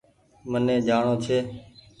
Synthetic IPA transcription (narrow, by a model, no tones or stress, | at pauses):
mənẽːd͡ʒaːɳoːt͡ʃʰeː